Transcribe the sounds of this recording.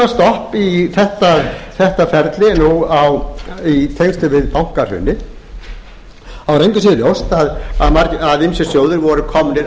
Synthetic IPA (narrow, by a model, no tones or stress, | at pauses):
ast̪ɔhpiθɛht̪aθɛht̪afɛɾt̪lɪnuawit̪ʰejst̪ʏvɪðpawŋ̥kaɾ̥hʏ̰nːɪ | awɾejɲcʏsiːðljowst̪aðaðmaɾcaðɪmsjɛsjoːwðɪɾvɔɾʏkʰɔmnɪɾ